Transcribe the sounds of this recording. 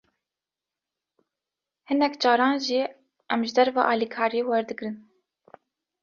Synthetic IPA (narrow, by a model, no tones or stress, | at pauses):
hɨnɛkd͡ʒɑːɾɑːnʒiː | ɛmʒɨd̪ɛɾvɑ̰ːʔɑːlikʰɑːɾiewɛɾd̪ɨɡɾɨn